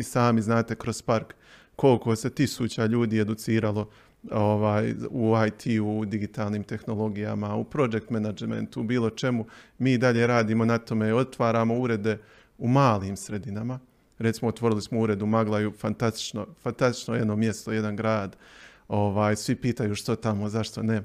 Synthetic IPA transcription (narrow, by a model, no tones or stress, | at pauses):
isaːmiznaːt̪e̞kɾo̞spaɾkː | o̞lko̞se̞t̪isuːt͡ɕaʎuːd̪iːe̞d̪ut̪siːɾalˠo̞ | oʋaːjuajt̪ʰiːuːd̪iɡit̪aːlˠniːmt̪e̞xno̞lˠo̞ɡija̰maṵpɾo̞d͡ʒe̞k̚t̪menad͡ʒmḛnt̪ubiːlˠo̞t͡ʃe̞mumiːd̪aʎe̞ːɾaːd̪iːmo̞nat̪o̞meo̞t̪ʋaːɾaːmo̞uɾe̞d̪e̞ | umaːliːmsɾe̞d̪inama | ɾet̪simo̞ot̪ʋo̞ɾilismouɾe̞d̪umaɡlˠajufant̪ast̪i̥t͡ʃno̰fant̪ast̪i̥t͡ʃnojed̪no̞mje̞st̪oje̞d̪anɡɾaːd̪o̞ʋaːjsʋipiːt̪ajuːʃt̪ot̪amo̞zaʃt̪o̞ne